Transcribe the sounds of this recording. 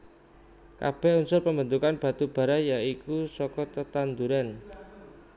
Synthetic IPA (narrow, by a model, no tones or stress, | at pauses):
ka̰b̥ɛhunsʊrpəmbənt̪ukanb̥a̤t̪ub̥a̤ɾajaikusɔkɔt̪ət̪and̪uɾan